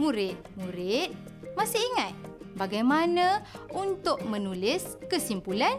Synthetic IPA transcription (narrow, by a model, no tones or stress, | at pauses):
muɾɪt̪̚muɾɪt̪̚ | masɪiŋat̪̚ | baɡajmanə̃unt̪ʊk̚mənulɪskəsimpulan